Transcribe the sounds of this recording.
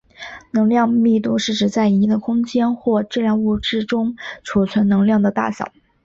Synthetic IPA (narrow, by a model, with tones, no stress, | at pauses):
nɤ˧˥ŋljɑ˥˧ŋmi˥˧t̪u˥˧ʂɻ̩˥˩ʈ͡ʂɻ̩˨˩t͡sa˥˩ɪ˧˥d̪ə˧kʰʊ˥ŋt͡ɕjɛ˥nxwɔ˥˩ʈ͡ʂɻ̩˥˧ljɑ˥˧ŋu˥˧ʈ͡ʂɻ̩˥˩ʈ͡ʂʊ˥ŋʈ͡ʂʰu˨˩t͡sʰwa˧˥nnɤ˧˥ŋljɑ˥˩ŋd̪ə˩t̪a̰˥˩ɕjɑ̰˨˩˦